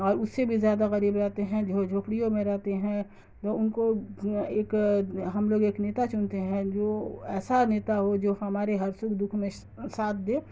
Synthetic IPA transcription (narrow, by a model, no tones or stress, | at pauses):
ɔːɾʊsːebʱizjaːd̪aɣɐɾiːbɾɛɦt̪eɦɛ̃d͡ʒood͡ʒʱoːpɽijõmẽɾɛɦt̪eɦɛ̃ | t̪oʊnkoeːkɦɐmloːɡeːkneːt̪at͡ʃʊnt̪eɦɛ̃d͡ʒoːɛːsaneːt̪aɦod͡ʒoːhɐmaːɾeɦɐɾsʊkd̪ʊkʰmẽ | saːt̪̚ʰd̪eː